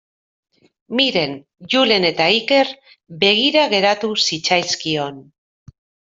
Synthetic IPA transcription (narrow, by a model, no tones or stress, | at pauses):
miɾe̞n | ʝule̞ne̞t̪aike̞ɾ | be̞ɣ̞iɾaɣe̞ɾat̪usit͡sajskio̞n